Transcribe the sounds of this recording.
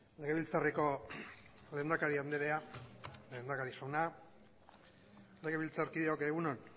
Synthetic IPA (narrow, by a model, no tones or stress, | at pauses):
le̞ɣe̞βilt͡sariko̞ | le̞ːnd̪akaɾiand̪eɾeale̞ːnd̪akaɾisawna | le̞ɣe̞βilt͡saɾkiðeokeɣunon